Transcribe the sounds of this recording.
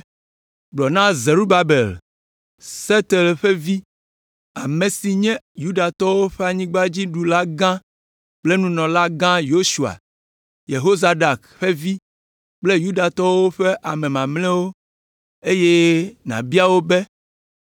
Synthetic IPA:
ɡ͡blɔ˨nã˦ze˨ɾu˦ba˨be˨l | se˦t̪e˨lɸe˦vi˦ | a˨mẽ˨si˨ɲɛ̃˦ju˦ɖa˨t̪ɔ˦wo˦ɸɛ˦a˨ɲĩ˦ɡ͡ba˦d͡ʑi˦ɖu˨la˦ɡã˦ | k͡ple˦nũ˦nɔ̃˨la˦ɡã˦jo˦su˨a̰˨ | je˨ɦo˦za˨ɖa˨kɸe˦vi˦ | k͡ple˦ju˦da˨t̪ɔ˦wo˦ɸe˦ʔa˨mẽ˨mã˨mlɛ̃˦wo˦ | e˦je˦nã̰˨bi˦a˦wo˦be˦

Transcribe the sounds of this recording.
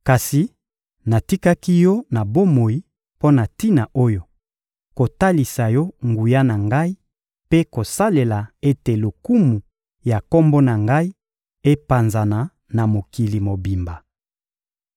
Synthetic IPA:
ka˨si˨ | na˨ti˦ka˦ki˦jɔ˦na˨bo˦mo˨i˦ | po˦na˨ti˦na˨ʔo˦jo˨ | ko˨ta˦li˨sa˨jɔ˦ŋɡu˨ja˦na˨ŋɡa˦i˦ | pe˦ko˨sa˦le˨la˨e˦te˨lo˨ku˦mu˨ | ja˨ko˦mbo˦na˨ŋɡa˦i˦ | e˦pa˨nza˨na˨ | na˨mo˨ki˨li˨mo˨bi˨mba˨

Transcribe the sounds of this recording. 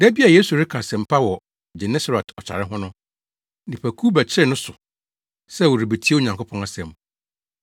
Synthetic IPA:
dɛ˦bi˦a˨je˦su˨ɾɪ˦kʰa˨sɛ̃˨m̩˨pʰa˦wɔ˨ | d͡ʑɛ˨nɛ˦sa˨ɾɛ˨tʰɔ˨t͡ɕʰa̰˨ɾɪ˦ɦʊ̃˦nʊ̃˦ | nĩ˨pʰæ˨kʰu˦bɛ˨t͡ɕʰɪ˦ɪ˦˨nʊ̃˦sʊ˨ | sɛ˦˨wɔ˨ɾi˨be˨tʰi˦e˦o˨ɲã˨ŋkʰo˦pʰɔ̃˦na˦sɛ̃˨m

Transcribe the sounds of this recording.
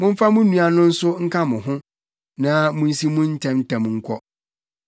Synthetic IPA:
mʊ̃˦m̩˦fa˦mʊ̃˦nũ˨a˨nʊ̃˦n̩˦sʊ˦ŋ̩˦kʰa˦mʊ̃˨ɦʊ̃˦ | nã˦mũ˦n˦si˦mʊ̃˦n̩˦tʰɛ̃˦m˦tʰɛ̃˨mŋ̩˦kʷʰɔ˦

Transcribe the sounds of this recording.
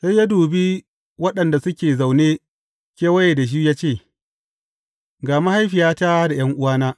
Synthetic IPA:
sa˦jaː˦duː˨bi˦ | wɐ˦ɗɐ˨nda˨sʊ˦kʲeː˨za˨wneː˦ | kʲeː˦wɐ˦je˨da˨ʃ̬i˦jaː˦t͡ʃeː˦˨ | ɡaː˨ma˦ha˦jɸɪ˨jaː˦taː˦da˨j̰ɐ˦ŋʔʊ˦waː˦naː˦

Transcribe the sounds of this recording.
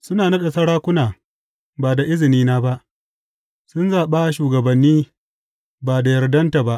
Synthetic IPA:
sʊ˦naː˨na˦ɗɐ˨sɐ˦ɽaː˦kʷʊ˦naː˨ | baː˨da˨ʔɪ˦zɪ˨niː˦naː˦ba˦ʔ | sʊ˦nzaː˨ɓaː˦ʃuː˨ɡɐ˨bɐ˨nːiː˦ | baː˨da˨jɐ˨rdɐ˦nta˨ba˦ʔ

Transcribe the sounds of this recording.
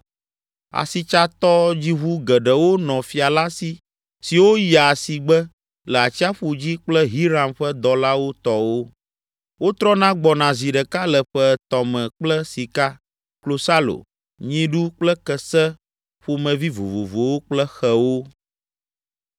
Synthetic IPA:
a̰˨si˨t͡ʃa˦t̪ɔ˦d͡ʑi˦ɦu˦ɡə˨ɖə˨wo˦nɔ̃˨fi˨a˨la˦si˨ | si˨wo˦ja˨si˨ɡ͡bɛ˦ | lə˨a˨t͡ɕi˦a˦ɸu˨d͡ʑi˦k͡plɛ˦ɦi˦ɾa˨mɸə˦d̪ɔ˨la˦wo˦t̪ɔ˦wo˦ | wo˦t̪ɾɔ˦nã˦ɡ͡bɔ˨nã˨zi˨ɖə˨ka˦lə˨ɸɛ˦t̪ɔ˨mɛ̃˨k͡plə˦si˨ka˦ | klo˨sa˦lo̰˨ | ɲĩ˦ɖu˦k͡plə˦kə˨sɛ˦ | ɸu˨mɛ̃˨vi˦vo̰˨vo˨vo˨wo˦k͡plə˦xɛ˨wo˦

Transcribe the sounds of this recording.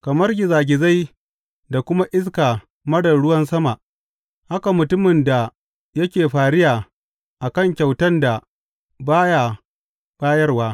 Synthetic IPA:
kɐ˨mɐ˦rɡʲɪ˨zaː˨ɡʲɪ˨za˦j | da˨kʷʊ˦ma˦ʔɪ˦s̬kaː˨ | mɐ˦dɐ˨ɽʊ˦wɐ˦nsɐ˦ma˨ʔ | ha˦ka˨mʊ˨tʊ˦mɪ˨nda˨ | jɐ˦kʲeː˨ɸaː˨ɽɪ˦jaː˨ | ʔa˨kɐ˦˨ŋkʲɐ˨wtɐ˦nda˨ | baː˦ja˨ | b̥aː˦jɐ˦rwaː˦

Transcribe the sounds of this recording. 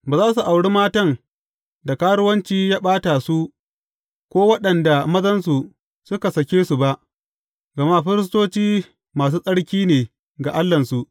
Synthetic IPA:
baː˨zaː˦su˨ʔa˨wɽi˦maː˦tɐ˦ŋ | da˨kaː˦ɽʊ˦wɐ˦nt͡ʃiː˦jaː˦ɓaː˦ta˨su˦ | kʷoː˦wɐ˦ɗɐ˨nda˨mɐ˦zɐ˦nsu˨ | sʊ˦ka˨sɐ˨kʲeː˦su˨ba˦ʔ | ɡɐ˨ma˦˨ɸɪ˦ɾɪ˦s̬toː˦t͡ʃiː˦ | maː˨s̬uː˦sʼɐ˦ɽkʲiː˦neː˨ | ɡa˨ʔa˦lːɐ˨nsu˨ʔ

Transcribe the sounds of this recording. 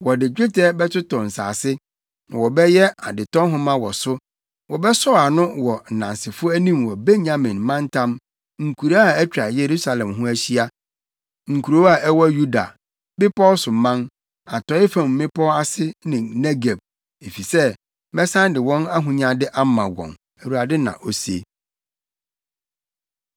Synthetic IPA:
wɔ˨dɪ˨d͡ʑᶣɪ˦tʰɛ˦bɛ˦tʊ˦tɔ̃˨n̩˨sa̰ː˨sɪ˦ | nã˨wɔ˨bɛ˦jɛ˦a˨dɪ˨tɔ̃˦ɦʊ̃˦mã˦wɔ˨sʊ˦ | wɔ˨bɛ˦sɔ˦a˨nʊ̃˦wɔ˨n̩˨nã˨nsɪ˨fʊ˦æ˦nĩ˦mwɔ˨be˦ɲã˦mɪ̃˨nmã˦n˦tʰã˦m | ŋ̩˨kʰu˨ɾa˦a˨ɛ˦t͡ɕᶣɾa˨je˨ɾu˦sa˨lɛ̃˨mɦʊ̃˦æ˦ɕi˦a˦ | ŋ̩˨kʰu˨ɾo˦a˨ʔɛ˦wɔ˦ju˦da̰˨ | bɪ˦pʰɔ˦sʊ˨mã˦n | a˨tɔ˨˦ɪ˦fã˨mm̩˨mɪ̃˦pʰɔ˦a˦sɪ˦nɪ̃˨nɛ˦ɡe˨b̚ | e˨fi˨sɛ˦ | mɛ˦sã˦n˦dɪ˨wɔ̃˦na˦ɦũ˨ɲã˦dɪ˦ʔa˦mã˨wɔ̰̃˨n | æ˨wu˨a˨dɪ˦nã̰˨ʔo˨sḛ˦˨

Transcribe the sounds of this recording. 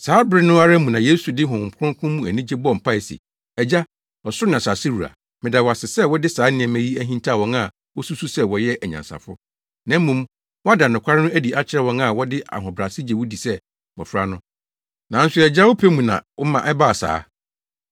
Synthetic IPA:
saː˨˦bɪ˦ɾɪ˦nʊ̃˦a˦ɾa˦mũ˨nã˨jeː˦su˨dɪ˦ɦʊ̃˨m̩˨pʰʊ˦ʊ̃˦ŋ˦kʰʊ̃˦mũ˦˨æ˨nĩ˦d͡ʑe˦bɔ˦˨m̩˨pʰa˦ɪ˨sḭ˨ | ɛ˨d͡ʑa˦ | ɔ˨sʊ˦nã˨sa˨sɪ˦wu˨ɾa̰˨ | mɪ̃˨da˨wɔ˨a˨sɪ˨sɛ˦wɔ˦dɪ˦saː˨˦nɪ̃˨ɛ̃˨mæ̃˦ji˦æ˦ɦĩ˦ntʰa˦˨wɔ̃˨na˨ | wɔ˦su˦su˦sɛ˦wɔ˨jɛ˦ʔæ˨ɲã̰˨nsa̰˨fʊ˦ | nã˦mːũ˨˦m | wɔ˦a˦da˨nʊ̃˨kʷʰa˦ɾɪ˦nʊ̃˦æ˦di˨ʔa˦t͡ɕʰɪ˦ɾɛ˦wɔ̃˦na˨wɔ˦dɪ˦ʔa̰˨ɦɔ̃˨bɾa˨sɪ˦d͡ʑe˨wu˦di˨sɛ˦ | wɔ̰˨fɾa˦nʊ̃˦ | nã˨˦n̩˦sʊ˦ɛ˨d͡ʑa˦wʊ˦pʰe˦mũ˨nã̰˨wɔ˦mã˨ʔɛ˦ba˦˨sa̰ː˦

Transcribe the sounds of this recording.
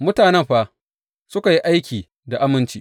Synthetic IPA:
mʊ˦taː˨nɛ˦˨mɸaː˦ | sʊ˦ka˨ji˦ʔa˦jkʲiː˨ | da˨ʔa˦mɪ˦nt͡ʃiː˦

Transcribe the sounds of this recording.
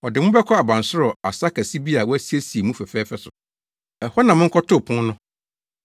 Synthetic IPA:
ɔ˨dɪ˨mʊ̃˦bɛ˦kʰɔ˦a˨bã˨n˨sʊ˦ɾɔ˨a̰˨sa˦kʰæ˨si˦bi˦a˨wɔ˦æ˦si˦e˦si˨e˨mũ˦fɛ˨fɛː˦fɛ˦sʊ˨ | ɛ˨hɔ˦nã˨mɪ̃˦ŋ̩˦kʰɔ˦tʰʊ˦˨pʰʊ̃˦nnʊ̃˦

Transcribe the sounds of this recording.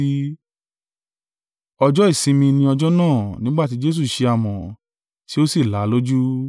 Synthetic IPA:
ɔ˧d͡ʒɔ˦i˦˨sĩ˧mĩ˧nĩ˧ɔ˧d͡ʒɔ˦nãː˦˨nĩ˨˦ɡ͡ba˦˨ti˨˦d͡ʒe˦s̬u˦˨ʃe˧a˨mɔ̃˨ | ti˦o˦si˦˨la˨˦lo˦d͡ʒu˦

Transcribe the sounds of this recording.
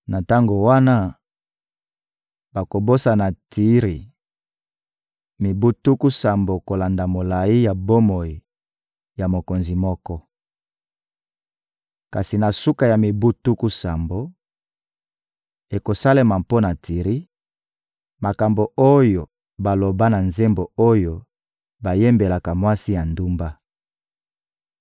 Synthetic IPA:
na˨ta˦ŋɡo˨wa˦na˦ | ba˨ko˨bo˦sa˨na˨ti˦ʁi˨ | mi˨bu˦tu˦ku˦sa˨mbo˨ko˨la˨nda˨mo˨la˨i˦ja˨bo˦mo˨i˨ | ja˨mo˨ko˨nzi˨mɔ˦kɔ˦ | ka˨si˨na˨su˦ka˨ja˨mi˨bu˦tu˦ku˦sa˨mbo˦ | e˨ko˨sa˦le˦ma˨mpo˦na˨tʰi˨ʁi˦ | ma˨ka˨mbo˨o˦jo˨ | ba˨lo˨ba˦na˨nze˦mbo˨o˦jo˨ | ba˨je˦mbe˨la˨ka˨mwa˦si˦ja˨ndu˦mba˦

